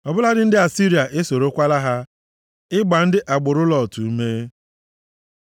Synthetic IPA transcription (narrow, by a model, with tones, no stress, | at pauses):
ɔ˨bʊ˦la˦dɪ˦n̩˦dɪ˦a˨si˦ɾi˨a˨ʔe˦so˨ɾo˦kʷa˦la˦ɦa˦ | ɪ˦ɡ͡ba˨n̩˦dɪ˦ʔa˨ɡ͡bʊ˨ɾʊ˦lɔ˨tu˨˦me˦